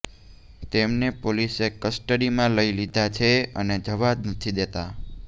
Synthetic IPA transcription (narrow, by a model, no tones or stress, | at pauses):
t̪emnepolisekəsʈəɽimãləilid̪ʱat͡ʃʰeəned͡ʒəʋad̪nət̪ʰid̪et̪a